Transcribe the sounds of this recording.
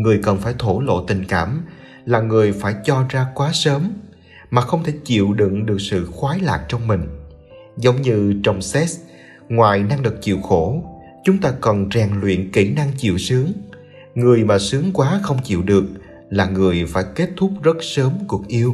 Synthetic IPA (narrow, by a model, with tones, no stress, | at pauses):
ŋɨ˨˩əjkə˨˩nfaː˧˩jt̪ʰo˧˩lo̰˧˨t̪ï˨˩ŋ̟kaː˧˩m | laː˨˩ŋɨ˨˩əjfaː˧˩jt͡ɕɔ˧zaː˧kwaː˨˦səː˨˦m | maː˨˩xə˧wŋ͡mt̪ʰe˧˩t͡ɕḭ˧˨wɗɨ̰˧˨ŋɗɨ˨˩ək̚sɨ̰˧˨xwaː˨˦jla̰ː˨j̚t͡ɕɔ˧wŋ͡mmï˨˩ŋ̟ | zə˨˦wŋ͡mɲɨ˧t͡ɕə˧wŋ͡msɛ˦˥s | ŋwaː˨˩jna˧ŋɗɨ˨˩ək̚t͡ɕḭ˧˨əwxo˧˩ | t͡ɕʊ˨˦ŋ͡mt̪aː˧kɔ˨˩nzɛː˨˩ŋlwḭ˧˨ənki˧˩na˧ŋt͡ɕḭ˧˨əwsɨ˨˦əŋ | ŋɨ˨˩əjmaː˨˩sɨ˨˦əŋkwaː˨˦xə˧wŋ͡mt͡ɕḭ˧˨wɗɨ˨˩ək̚ | laː˨˩ŋɨ˨˩əjfaː˧˩jke˦˥t̚t̪ʰʊ˦˥k͡p̚zə˦˥t̚səː˨˦mku˨˩ək̚ʔi˧əw